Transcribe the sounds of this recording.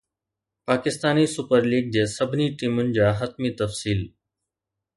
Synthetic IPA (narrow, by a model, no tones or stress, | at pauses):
paːkɪst̪aːnisʊpəɾliːɡ̚d͡ʑeːsɐbʱniʈiːmʊnɪ̆d͡ʑaːɦɐt̪̚mit̪ɐfsiːl